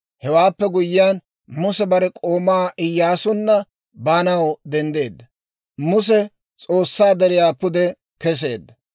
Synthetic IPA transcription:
hɛwaːpːɛɡʊjːɪjaːn | mʊsɛbɐɾɛkʼo̞ːmaːʔɪjːaːsʊnːɐ | baːnɐwd̪ɛnd̪e̞ːd̪ːɐ | mʊs̬ɛ | t͡sʼo̞ːsːaːd̪ɛɾɪjaːpʊd̪ɛ | kɛs̬e̞̰ːd̪ːɐ

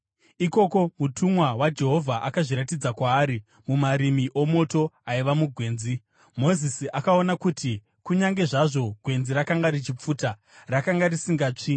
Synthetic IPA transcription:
iko̞ko̞mutʰumwawad͡ʒe̞ɦo̞vʱaʔakaʐiɾatid͡zakwaːɾi | mumaɾimiʔomo̞to̞aiʋamuɡʱwe̞ːnzi | mo̞zisiʔakaonakuti | kuɲaŋɡe̞ʐaʐo̞ɡʱwe̞nziɾakaŋɡaɾit͡ʃip͡fuːta | rakaŋɡarisiŋɡaːt͡ʂi

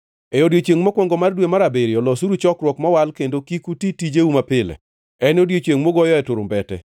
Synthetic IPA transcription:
ɛodjot͡ʃweŋmɔkwɔŋɡɔmardwemaɾabeɾiɔlɔsuɾut͡ʃɔkɾwɔkmɔwalkendokikutitid͡ʒeumapɪlɛ̰ | ɛnodjot͡ʃweŋmoɡɔjɔɛtʊɾʊ̰mbɛtɛ̰

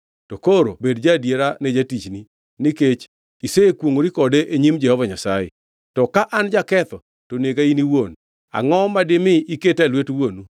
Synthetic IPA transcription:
tokoɾobedd͡ʒadjeɾaned͡ʒatit͡ʃni | nɪket͡ʃ | iseekwoŋoɾikɔdeʔeɲimd͡ʒɛhɔvaɲasajḛ | tɔkaʔand͡ʒakɛt̪ɔ | toneɡainiwon | a̰ŋɔmadɪmɪiketalwetwonu

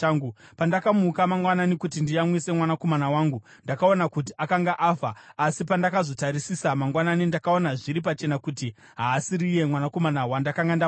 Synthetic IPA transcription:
aŋɡupandakamukamaŋɡwananikut̬indijamwise̞mwanako̞manawaːŋɡu | ndakao̞nakut̬iʔakaŋɡaʔafaːsipandakazo̞taɾisisamaŋɡwananindakao̞naʐiɾip̬at͡ʃe̞nakuti | ɦaːsiɾije̞mwanako̞manawandakaŋɡanda

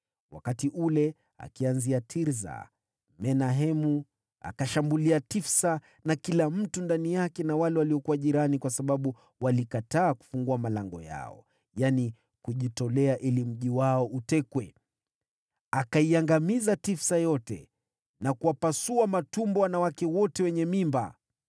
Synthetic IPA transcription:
wa̰katiʔulɛ | a̰kianziatʰiɾza̰ | mɛnaɦɛmu | a̰kaʃambuliatifsa | nakilam̩tundanijakɛnawalɛwaliɔkuwaʄiɾanikwasaɓaɓu | walikataːku̥fuŋɡuamalaŋɡɔ̰ja̰ɔ̰ | jani | kuʄitɔlɛaʔilim̩ʄiwaɔʔutɛkwɛ | akaiaŋɡamizatifsajɔtɛ̰ | nakuwapasuamatumbɔwanawakɛwɔtɛwɛɲɛmimba̰

